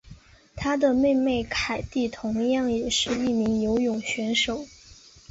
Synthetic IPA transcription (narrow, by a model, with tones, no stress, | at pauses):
t̪ʰa˥d̪ə˨me˥˧ɪme˥˩ɪkʰa˨˩ɪt̪i˥˩t̪ʰʊ˧˥ŋjɑ˥˩ŋjɛ˨˩ʂɻ̩˥˧i˥˩mi˧˥ŋjo˧˥ʊjʊ˨˩ŋɕɥɛ˧˥nʂo˨˩˦ʊ